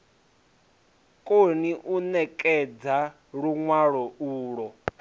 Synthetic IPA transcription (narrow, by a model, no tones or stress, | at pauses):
kʼoniʔunɛkʼɛd͡za | ɺuŋwaɺɔuːɺɔ